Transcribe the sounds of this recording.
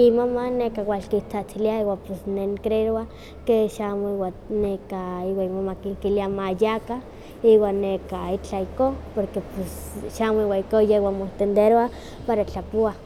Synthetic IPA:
imomanekawʷalkit͡sat͡siliaiwapesneŋkɾeɾoa | keʃamwanekaiwaimomakikiliamajaka | iwanːekait͡ɬaikopoɾkepesʃamwaikojewamot̪end̪eɾoa | paɾat͡ɬapoa

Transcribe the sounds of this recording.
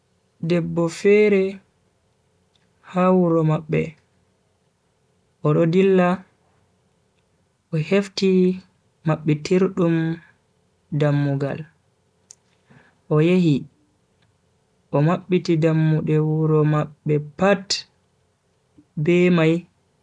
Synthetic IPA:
dɛbːɔfɛɾɛ | hawuɾɔmaɓːɛ̰ | ʔɔɗɔdilːa | ʔɔhefti | maɓːɛtʰiɾɗum | damːuɡa̰l | ʔɔjehi | ʔɔmaɓːitidamːuɗɛwuɾɔmaɓːɛpat | bɛmaj

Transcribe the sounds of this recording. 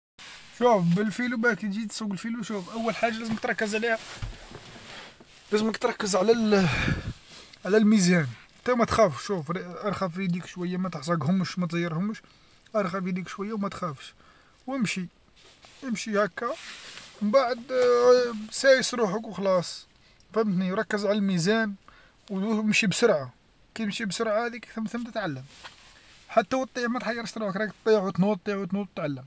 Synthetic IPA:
ʃufbəlfilubækt̪d͡ʒit̪swɡəlfiluʃufʔæwːəlħaʒːalæzəmək̚t̪ɾˤɑkːəzʕlihæ | læzəməkt̪ɾˤɑkːəzʕlæl | ʕlælmizæn | t̪æwmæt̪xæfʃufɾʔɑɾˤxæfɾid̪ikʃwæjːamæt̪əħsˤɑɡhʊmːʃmæt̪zijːəɾhʊmʃ | ʔɑɾˤxæfid̪ikʃwæjːawmæt̪xæfʃ | wəmʃi | ʔəmʃihækːæmbaʕəd̪ | sæʕəsɾuħəkwxlɑsˤ | fæmːt̪niɾˤɑkːəzʕaləlmizæn | wəmʃibsʊɾʕa | kæjmʃibsʊɾˤʕahæd̪ikækt̪ɾmt̪əmt̪ət̪ʕalːəm | ħat̪ːæwət̪ˤːiʕmæt̪ħɑjːɑɾˤʃt̪ɾˤuħəkɾɑkt̪ˤːiʕwt̪nut̪ˤːiʕwt̪nut̪ət̪ʕalːəm

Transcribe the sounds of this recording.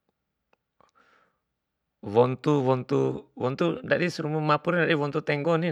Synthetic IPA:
wɔnt̪uwɔnt̪uwɔnt̪udaɗisuɾumumapuɾɛndaɗiwɔnt̪ut̪ɛŋɡɔni

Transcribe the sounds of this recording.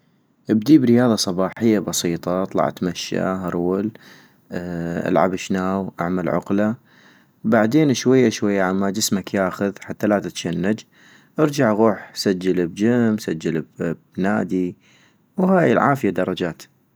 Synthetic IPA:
ʔəbd̪iːbɾɪjɑːðˤɑsˤɑbɑːħɪjːabɑsˤiːt̪ˤɑt̪ˤlɑ̰ʕa̰t̪maʃːa̰ɦɑɾˤːʊl | ʔa̰lʕa̰bɪʃnaːwʔa̰ʕmalʕʊ̰qla | baʕd̪eːnʃwajːaʃwajːaʕamːad͡ʒɪsmakjaːxʊðħat̪ːalaːt̪ɪt̪ʃanːad͡ʒ | ʔɑɾd͡ʒaʕɣuːħsad͡ʒːalbd͡ʒamsad͡ʒːalbbnaːd̪i | whaːjɪlʕaːfɪjad̪ɑɾˤɑd͡ʒaːt̪

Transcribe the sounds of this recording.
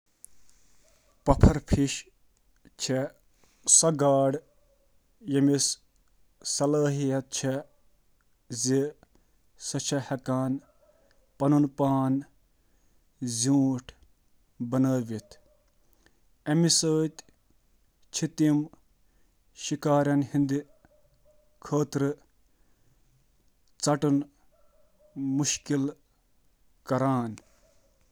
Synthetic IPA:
pɐpʰɐɾpʰiʃ | t͡ʃʰe | sɐɡaːɽ | jɐmis | sɐlaːɦijɐt̪̚t͡ʃʰe | zi | sɐt͡ʃʰɐhɐkaːn | pɐnunpaːn | zũːʈʰ | bɐnəːʋit̪ʰ | ɐmisəːt̪ | t͡ʃʰit̪im | ʃikaːɾʲjɐnhind̪i | kʰəːt̪ɾɨ | t͡sɐʈun | muʃkil | kɐɾaːn

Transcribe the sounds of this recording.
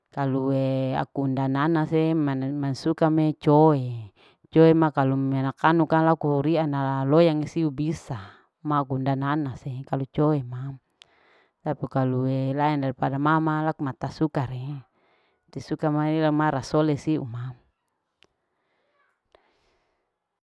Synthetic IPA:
kaluea̰kundananasemmansukamet͡ʃoe | t͡ʃoemakalumenakanukalakuɾianalojaŋisiubisa | makundananasekalut͡ʃoema | t̪apikaluelaɛndaɾipadamamalakumat̪asukaɾe | t̪isukamailamaɾasolesiṵma

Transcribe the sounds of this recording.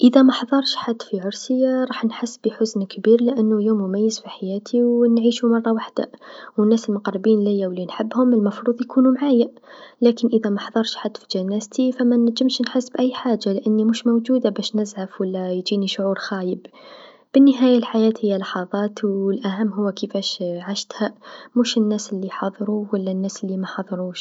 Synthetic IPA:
ʔəðæmaħðˤɑɾˤʃħad̪ːfiʕʊɾsəjːaɾˤɑːħnħəsːbiħʊznkbiɾlɪʔənːʊljuːmjʊmæjːəzfiħajæːt̪ʰiwnʕiːʃumɑrˤːɑwaħd̪a̰wənːæːsəlmʊqɾˤbiːnlɪjːawlːinħəbːhʊməlmɑfɾuːðˤjkuːnumʕaːjalækənʔəðæmaħðˤɑɾˤʃħad̪ːfi̥d͡ʒænːæzt̪ifamænæʒːɪmʃnħɪsːbʔæjːħaːd͡ʒːalɪʔanːimuːʃmʊwd͡ʒuːd̪abæːʃnɪzʕafwalːæjd͡ʒiːniʃʊʕuːɾxaːjəb | b̥ɪnːəɦaːjalħajaːt̪hɪjːalɑħɑðˤɑːt̪wɪlʔæɦamːɦʊwːkəfæːʃʕaʃt̪hamuːʃɪnːæːsɪlːiħɑðˤɾuwalːanːæːsɪlːimaħɑðˤɾˤuːʃ

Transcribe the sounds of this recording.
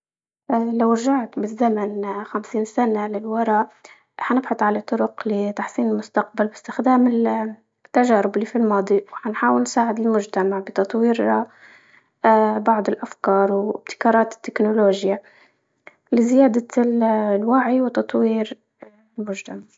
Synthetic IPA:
ʔalawɾʒaʕt̪bɪzːamanxamsiːnsanalɪlwɑɾˤɑ | ħanɪbħʊt̪ˤʕalat̪ˤːʊɾʊqlɪt̪aħsiːnɪlmʊst̪aq̚balbɪst̪ɪxd̪aːmɪl | t̪ːaʒaːɾʊbliːfilmɑːd̪ˤiwħanħaːwɪlnsaːʕɪd̪ɪlmʊʒt̪amaʕbɪt̪ɑt̪ˤwiːɾ | bɑʕd̪ˤɪlʔafkɑːɾˤwɪb̚t̪ɪ̥kɑːɾˤɑːt̪ɪ̥t̪ːɪknʊloːʒja | lɪzɪjaːd̪a | lwaʕiwɪt̪ɑt̪ˤwiːɾ | lmʊʒt̪amaʕ

